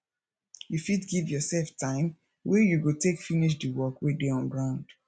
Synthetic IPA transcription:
jufidɡivjɔsɛlftʰãɪ̃m | wɛjuɡotekfiniʃ̬diwɔkwɛdeɔ̃nɡɹãʊ̃nd̥

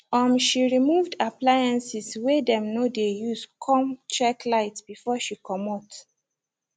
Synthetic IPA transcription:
ɔmʃiɹimuvdaplajãnsiswedɛ̃mnodejuskʰɔ̃mt͡ʃɛklaɪtbifɔʃikɔmɔt

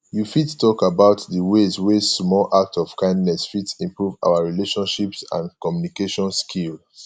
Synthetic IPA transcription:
jufitstɔkabaʊtdəwezwesmɔlʔak̚tɔv̥kãɪ̃ndnɛsfitsĩmpɹuva̰waɹileʃɔ̃nʃipsã̰nkɔmjunikeʃɔ̃nskʰil

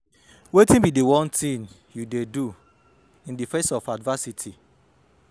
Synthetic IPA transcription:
wetĩnbidewɔ̃ntʰĩn | judedu | ĩndifesɔfadvasitʰi

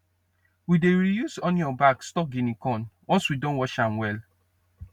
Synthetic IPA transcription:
wideɹijuzɔ̃njɔ̃bakstɔk̚ɡinikɔ̃nwʔɔ̃nswidõnwɔt͡ʃãmwɛl

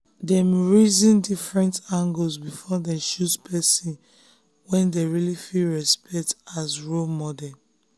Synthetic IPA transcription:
dɛmɹizĩndifɹɛ̃ntãŋɡolsbifɔdɛ̃ʃuspʰɛsĩn | wɛ̃ndeɹilifilɹɛspɛk̚tazɹomɔdɛ

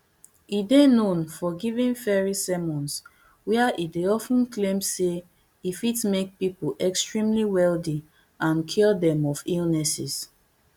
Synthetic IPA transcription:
idenõnfɔɡivĩnfɛɹisɛmɔ̃ns | wɛaʔideɔfũn̩klẽmse | ifitmek̚pipoʔɛkstɹĩmliwɛldi | ãnkʰidɛ̃mɔfilnɛsis

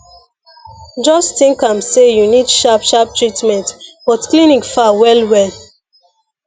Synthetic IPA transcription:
d͡ʒɔstĩŋkãmsejunidʃapʃap̚tɹitmɛ̃ntb̥ɔtklinĩkfawɛlwɛl

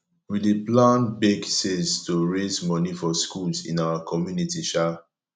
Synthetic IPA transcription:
wileplãnbeɡseztoɹezmɔnifɔskulzḭ̃nawakʰɔmjunitiʃa

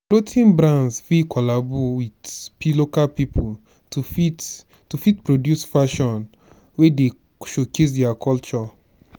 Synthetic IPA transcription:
plotʰĩnbɾãnsfikʰɔlabɔwidpilokalpipʰul | tufi | tufitpɹodjusfaʃɔ̃n | wede | ʃokes̬dɛakʰɔlt͡ʃɔ

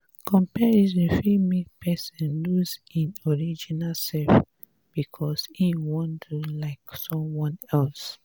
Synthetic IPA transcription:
kʰɔ̃mpɛizĩnfimipʰɛsɔ̃nluzĩnɔɹid͡ʒinalsɛlf | b̥ikʰɔsĩwɔ̃ndʰulaɪksɔ̃mwɔ̃nɛls

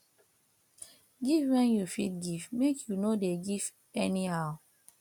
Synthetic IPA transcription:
ɡivwɛ̃njufit̚ɡivmekʰjunodeɡiv | ɛnihaʊ

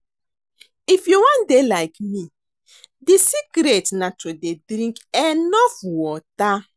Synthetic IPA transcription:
ifjuwãndelajkmi | disikɾetnatʰodedɾĩŋkɛ̃nnɔfwɔta

